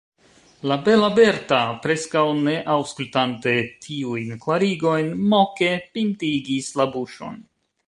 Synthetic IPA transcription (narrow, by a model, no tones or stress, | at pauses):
labe̞labe̞ɾtapɾe̞skawne̞ʔawskultante̞tʰiujnklaɾiɡo̞jnmo̞ke̞pintiɡislabuʃo̞̰n